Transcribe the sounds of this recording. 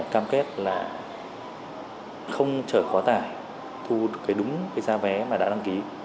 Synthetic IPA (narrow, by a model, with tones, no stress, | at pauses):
kaː˧mke˦˥t̚laː˨˩ | xə˧wŋ͡mt͡ɕəː˧˩jkɔ˨˦t̪aː˧˩j | t̪ʰu˧ɗɨ˨˩kːaː˨˦ɗʊ˨˦ŋ͡mkaː˨˦jzaː˧vɛ˨˦maː˨˩ɗa̰ː˧˥ɗa˧ŋki˨˦